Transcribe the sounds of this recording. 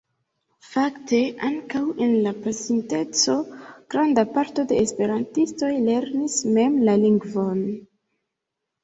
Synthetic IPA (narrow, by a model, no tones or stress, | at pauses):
fakte̞ʔaŋkawe̞nlapasinte̞t͡so̞ɡ̥ɾandapaɾto̞de̞ːspe̞ɾantisto̞jle̞ɾnisme̞mlaliŋɡvo̞n